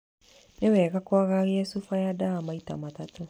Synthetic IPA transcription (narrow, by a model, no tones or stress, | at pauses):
newɛɣakwaɣaɣɛsufajadaamaita̰matato